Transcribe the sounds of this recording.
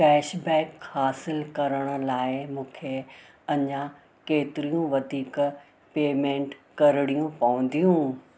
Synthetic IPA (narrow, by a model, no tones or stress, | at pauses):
kɛːʃbɛːkhaːsɪlkɐɾəɽ̃ə̆laːɪmũːkʰe | ɐɲã | keːt̪ɪɾijũʋɐd̪ʱiːk | peːmẽːɳʈkɐɾɪɽijũpɐʋə̃nd̪ijũː